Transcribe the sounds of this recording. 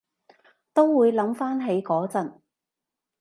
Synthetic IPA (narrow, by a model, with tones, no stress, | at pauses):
t̪o˥wwuː˨˧jlɐ˨˧˥mfaː˥nɦe˨˥jkɔː˨˥t͡sɐ˨n